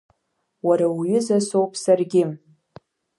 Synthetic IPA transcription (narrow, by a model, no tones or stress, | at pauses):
waɾawjɪzasowpʰsarɡʲɪm